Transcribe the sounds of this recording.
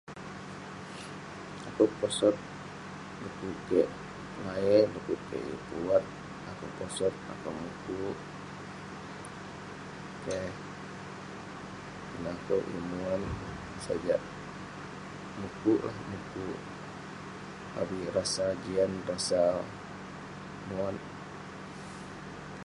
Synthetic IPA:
akawpɔsɔt̪̚ | lukuʔkɛʔ | laɛlukuʔkɛ̰ʔjṵpuwat̪̚ | akawpɔsɔt̪̚a̰kawmukuʔ | kɛh | kənakowʔʔjḭmuan | sa̰d͡ʒaʔ | mukuʔla̰hmukuʔ | a̰wirasad͡ʒianrasa | muan

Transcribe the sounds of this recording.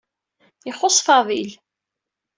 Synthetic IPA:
iħosˤfɑðˤil

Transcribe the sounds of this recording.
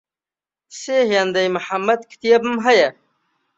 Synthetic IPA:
seːhjɐnd̪ɐjmuħamːɐd̪̚kʰi̥t̪ijɐbmɦɐjɐ

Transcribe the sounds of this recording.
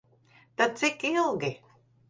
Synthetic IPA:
t̪asikilˠɡi

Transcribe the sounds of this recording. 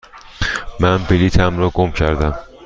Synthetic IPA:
mænbiliːt̪ʰæmɾɒːɡomcʰæɾd̪æm

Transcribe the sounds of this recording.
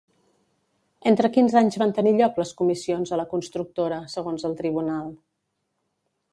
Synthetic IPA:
ent̪ɾəkinzaɲzβant̪əniʎɔkləskumisionzələkunst̪ɾuk̚t̪oɾəsəɣonzəlˠt̪ɾiβ̞unalˠ

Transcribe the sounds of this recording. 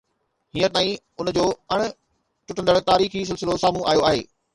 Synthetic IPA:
hĩːə̃t̪aːĩ | ʊnd͡ʑoːɐɽ̃̆ | ʈʊʈə̃nd̪əɽt̪aːɾiːxis̬ɪlsɪlosaːmũʔa̰ːjoaːɦeː

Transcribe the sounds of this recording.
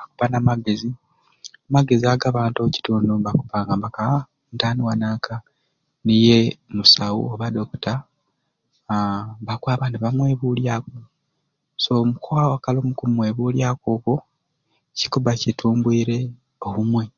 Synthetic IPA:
aku̥panamaɡe̞zi | amaɡe̞ziaɡaβaːntoci̥tuːndoβakupaːŋɡambaka | ntaniwanaːka | nije̞musawṵoβado̞ku̥ta | βakwaːβaniβamwe̞ːβuːljako | somukawakalomukumwe̞ːβuːljakoːko | cikuβacitʰuːmbwiːɾe̞ | oβumwe̞

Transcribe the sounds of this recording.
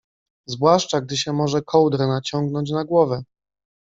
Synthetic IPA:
zvwaʂt͡ʂaɡ̚d̪ɘɕɛmɔʐɛkʰɔwd̪ɾɛnat͡ɕɔŋɡ̚nɔɲt͡ɕnaɡwɔvɛ

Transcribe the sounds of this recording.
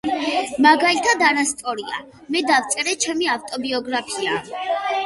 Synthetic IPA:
maɡalit̪ʰad̪aɾast̪ʼɔɾia̰ | mɛd̪aft̪sʼɛɾɛt͡ʃʰɛmiaft̪ʼɔbiɔɡɾapʰia

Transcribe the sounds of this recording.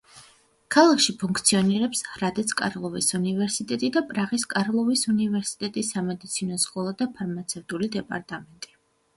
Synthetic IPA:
kʰalˠakʰʃipʰuŋk̚ʰt̪sʰiɔniɾɛpshɾad̪ɛt̪sʰkʼa̰ɾlˠɔvisunivɛɾsit̪ʼɛt̪ʼid̪apʼɾaʁiskʼaɾlˠɔvisunivɛɾsi̥t̪ʼɛt̪ʼisːamɛd̪it̪sʰinɔskʼɔlˠad̪apʰaɾmat̪sʰɛft̪ʼulid̪ɛpʼa̰ɾt̪ʼamɛnt̪ʼi̥

